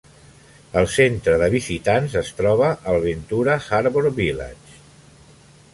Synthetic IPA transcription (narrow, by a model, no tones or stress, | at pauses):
əlˠsent̪ɾəðəβizit̪anzəst̪ɾɔβəʔːlβint̪uɾəxaɾβoɾβila̰t͡ʃ